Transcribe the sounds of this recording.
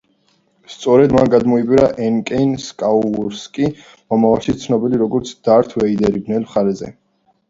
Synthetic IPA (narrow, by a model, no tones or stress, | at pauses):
st̪sʼɔɾɛd̪manɡad̪mɔipʼiɾaʔɛnkʼɛnskʼauuɾskʼi | mɔmavalˠʃit̪sʰnɔbiliɾɔɡɔɾt̪sʰd̪̥aɾt̪ʰvɛid̪ɛɾibnɛlmχaɾɛzɛ̰